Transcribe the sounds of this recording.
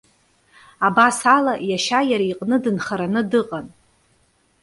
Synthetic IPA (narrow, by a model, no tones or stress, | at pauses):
abasalajaʃajaɾaiqʼnɨdɨnχaɾanɨdɨqʼan